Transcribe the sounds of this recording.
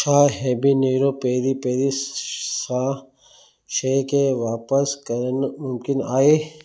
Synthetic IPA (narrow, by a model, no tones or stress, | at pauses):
ʃʰaːɦɛːbʱineːɾopeːɾipeːɾisã | ʃekeʋaːpəskɐɾnmʊmkɪnaːeː